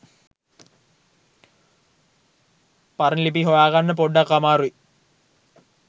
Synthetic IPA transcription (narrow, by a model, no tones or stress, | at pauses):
parɐnilip̬iɦojaːɣanːəpoɖːakːamaːɾui